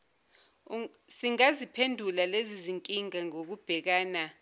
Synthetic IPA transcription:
siŋazipʰendʱulaleziziŋkʼiŋaŋok̬ub̥ʱɛk̬aːna

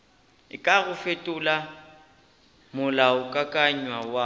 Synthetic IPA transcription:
ɪkʼaɣʊfetʼʊla | mʊlaʊkʼakʼaɲwawa

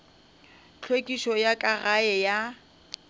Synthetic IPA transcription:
t͡ɬʰwekʼiʃɔjakʼaɣaɛja

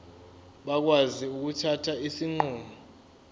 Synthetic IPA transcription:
ɓak̬waziuk̬utʰatʰaisiŋ͡ǃuːmu

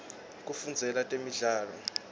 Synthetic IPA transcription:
k̬ʼufund͡zʱɛlatʼemiɮaːlɔ̰

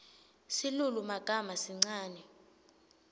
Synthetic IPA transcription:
silulumaɡ̥ʱamasiŋ͡ǀaːnɛ

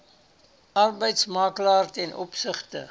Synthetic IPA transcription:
ɐrbəjtsmɑːklɑːrtɛnʔɔpsəχtə̰

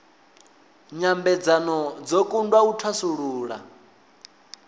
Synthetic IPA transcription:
ɲambɛd͡zanɔd͡zɔkʼundwautʰwasuɺuːɺa̰

